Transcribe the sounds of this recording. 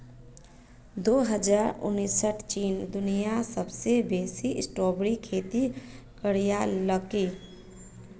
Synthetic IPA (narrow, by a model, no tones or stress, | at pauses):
d̪oːɦəd͡ʒaːɾʊ̰nːisəʈʰt͡ʃiːnd̪ʊnijasəbsebeːsiʔɪ̰sʈɔːbɾikʰeːt̪ikəɽijaləki